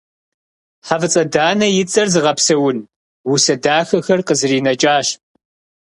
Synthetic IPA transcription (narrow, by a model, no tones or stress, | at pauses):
ħavɨt͡sʼɐdaːnɐjɪt͡sʼɐrzɨʁɐpsɐwʊn | wʊsɐdaːxɐxɐrqəzɨriːnɐt͡ʃʼaːɕ